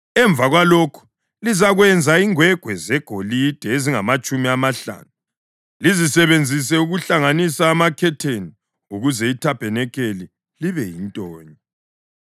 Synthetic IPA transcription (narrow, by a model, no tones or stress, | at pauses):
ɛɱb̪vaɣwalokʰu̥ | lizaɣwɛnd͡zʱaiŋwɛɡ̥ʱwɛzɛɡ̥ʱolid̥ʱɛeziŋamat͡ʃʼumiamaɬa̰ːnu | lizisɛβend͡zʱis̬ɛuɣuɬaŋanisaːmakʰɛtʰeni | uɣuzɛitʰapʰʼɛnɛkʰeli | liβɛjintʼɔːɲɔ